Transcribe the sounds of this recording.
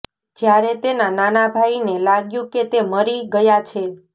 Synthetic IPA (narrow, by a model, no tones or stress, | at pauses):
d͡ʒjaɾet̪enananabʱainelaɡjũket̪eməɾiɡəjat͡ʃʰe